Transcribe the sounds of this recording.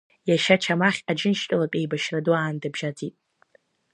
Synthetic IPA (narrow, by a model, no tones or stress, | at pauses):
jaʃat͡ʃʰamaχʲad͡ʒɪnʃtʼɨlapʲʼe̞jbaʃraduaːndɨbʒad͡zitʼ